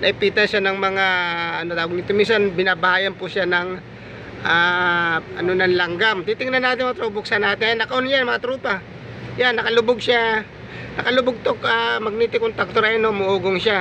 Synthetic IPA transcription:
nɐɪpiːt̪ɐnʃanɐŋmɐŋaʔɐnod̪aːwoɡ̚nɪt̪ominsɐnbɪnaːbɐhaːjɐnpʊsanɐŋ | ʔaːʔɐno̞nɐŋlɐŋɡamt̪it̪ɪŋnɐnːaːt̪ɪnmɐŋt̪ɾobʊk̚sɐnaːt̪ɪjanːɐkɐʔonjanmɐŋat̪ɾuːpa | janːɐkɐlʊbʊɡ̚sja | nɐkɐlʊbʊɡ̚t̪okamɐɡ̚niːt̪ɪkont̪ak̚t̪oɾanomʊʔuːɡoŋʃa

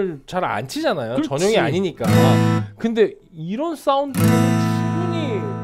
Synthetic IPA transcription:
ɭt͡ɕaɾa̰nt͡ɕʰid͡ʑanajot͡ɕʌɲʌŋiaɲiɲik͈akɯnde̞ | iɾʌns͈aundɯɯnnɕʰimbuɲi

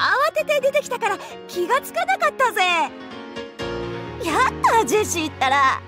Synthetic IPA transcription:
aβase̞t̪e̞d̪e̞t̪e̞kʲi̥t̪akaɾa | kʲiɡat͡sɨ̥kanakat̪ːaze̞ | jat̪ːad͡ʑiɕiːt̪ːaɾa

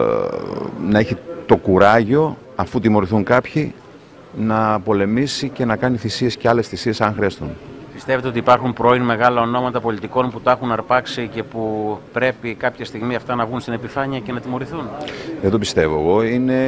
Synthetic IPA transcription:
nɐe̞çit̪o̞kuɾɐʝo̞ | ɐfut̪imo̞ɾiθuŋkɐpçi | nɐpo̞le̞misice̞nɐkɐniθisie̞sceɐle̞sθisie̞sɐŋxɾeɐst̪unpist̪evet̪eo̞t̪ipɐɾxumpɾo̞inme̞ɣɐlɐo̞no̞mɐt̪ɐpo̞lit̪iko̞nput̪ɐexunɐɾpɐksice̞pupɾe̞pikɐpçɐst̪iɣmiɐft̪ɐnɐvɣunst̪ine̞pifɐɲiɐce̞nɐt̪imo̞ɾiθunðend̪opist̪e̞vo̞eɣo̞ine̞

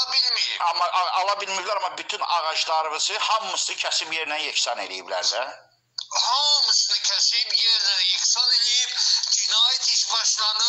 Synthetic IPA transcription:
bilmiɾḭɑmːɑʔɑlˠɑbilmijblæɾɑmːɑbyt̪ʰynɑʁɑʃlˠɑɾɯmɯz̥ɯhɑmːɯsɯnɯcʰæsibje̞ɾinænjecsɑne̞̰lijiblæ̰ɾd̪æ | hɑmːɯsɨnɯcʰæsibjeɾnænjeksɑnelijipd͡ʒ̪ynɑjt̪ʰiʃbɑʃlˠɑnɯ

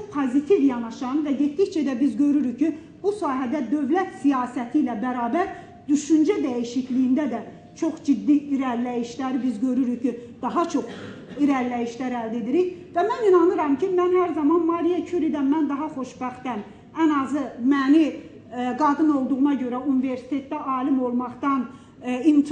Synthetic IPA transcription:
opʰozit̪ʰivjɑnɑʃɑnvæɟet̪d̪içt͡ʃʰæd̪æbizɟø̞ɾyɾyçci | busɑːɦæd̪æd̪ø̞vlæt̪sijɑːsæt̪ʰilæbæɾɑːbæɾ | d̪yʃynd͡ʒæd̪æjiʃiclijind̪æd̪æ | t͡ʃʰo̞χd͡ʒid̪ːiːɾæɾlæjiʃlæɾbizɟø̞ɾyɾyçid̪̥ɑɦɑt͡ʃʰo̞χ | iɾæɾlæjiʃlæɾæld̪e̞d̪iɾiçvæmæninɑnɯɾɑmcʰimænhæɾzɑmɑnmɑɾijɑcʰyɾid̪ænmænd̪ɑɦɑχo̞ʃbæχt̪t̪æn | ænɑzɯmæni | ɡɑd̪ɯno̞lˠd̪uʁunɑɟø̞ɾæunive̞ɾsi̥t̪ʰe̞t̪ːæʔɑːlimo̞lˠmɑχt̪ɑn | int̪ʰ

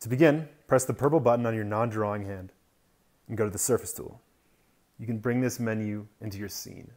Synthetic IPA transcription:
tʰɨbɨɡɪ̃npʰɹ̥ɛsðəpʰɜ˞pl̩ˠbʌʔn̩ə̃njə˞nɑ̃ndɹɔɪ̃ŋhæ̃nd | n̩ɡoʊɾɨðəsɜ˞fɨstʰṵlˠ | jɨkɨ̃n̩bɹɪ̃ŋðɪsmɛ̃njʉɪ̃ntʉjə˞sḭ̃n

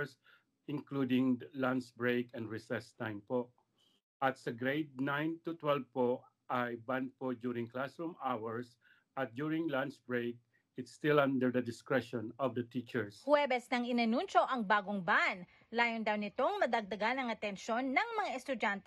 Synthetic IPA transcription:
s | ɪ̃ŋklud̪ɪ̃ŋlant͡ʃbɹejkɛ̃nd̪ɹɪsɛst̪ãjmpo | ʔɐt̪̚sɐɡɾejd̪̚nãjnt̪ʊt̪wɛlv̚po | ʔajbãn̚pod͡ʒjuɾɪ̃ŋklasɹumawɛɹs | ɐt̪̚d͡ʒuɹɪ̃ŋlant͡ʃbɹejk̚ | ɪt̪st̪ɪlãnd̪ɛɹd̪ɐd̪ɪskɹɛʃɔ̃nɔvd̪ɐt̪it͡ʃɛɹshwɛbɛsnɐŋɪnɐnunt͡ʃo̞ʔɐŋbaːɡoŋban | laːjond̪ɐwnɪt̪o̞ŋmɐd̪ɐɡ̚d̪ɐɡanɐŋɐt̪ɛnʃo̞nːɐŋmɐŋaɛst̪ʊd͡ʒant̪ɛ

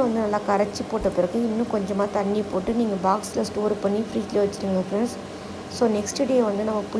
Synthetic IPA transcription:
ʋɐnd̪ɯnɐlːaːkɐɾɐt͡ʃːɯpoːʈːɐpːɪɾɐkːɯ̃ɪnːʊ̃kɔɲd͡ʒɐmaːt̪ɐɳːipoːʈːɯniːŋɡɐbaːkslɐsʈoːɾpɐɳːifɾiːd͡ʒlɐʋɐt͡ʃːɪɾɯŋɡɐkɐ̃ɳs | soːnɛksʈɖeːʋɐnd̪ɯnɐmːɐpʊ

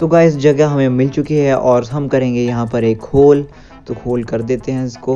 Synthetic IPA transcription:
t̪oɡaɪsd͡ʒɐɡaɦɐmẽmɪlt͡ʃʊkiɦɛʔɔːɾɦɐmkɐɾẽːɡejɐɦãpɐɾeːkhoːl | t̪okʰoːlkɐɾd̪eːt̪eɦɛ̃ɪskoː

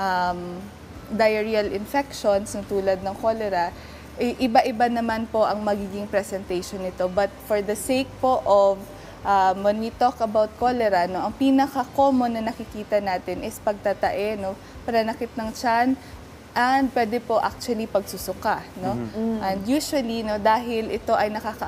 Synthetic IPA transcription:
ʔɐm | d̪ɐjɛɹiɐlɪnfɛkʃonsnɐt̪uːlɐd̪̚nɐŋkolɛɾɐ | ʔɛjʔɪbaʔɪbanɐmanpo̞ʔɐŋmɐɡiːɡɪŋpɾɛsɛnt̪ejʃonːɪt̪o̞bɐt̪̚fɔɹd̪ɐsejk̚po̞ʔov | ʔɐmwɛnwit̪okɐbawt̪̚kolɛɾɐno̞ʔɐŋpiːnɐkɐko̞ːmonɐnɐkɪkiːt̪ɐnaːt̪ɪnʔɪspɐɡ̚t̪at̪ɐʔɛno̞ | pɐnɐnɐkɪt̪̚nɐŋt͡ʃan | ʔɐnd̪̚pwɛːd̪ɛpo̞ʔa̰k̚t͡ʃʊɐlipɐɡ̚sʊsʊkano̞ʔɛnd̪juːʃʊɐlino̞d̪aːɦɪlɪt̪o̞ʔɐjnɐkaːkɐ

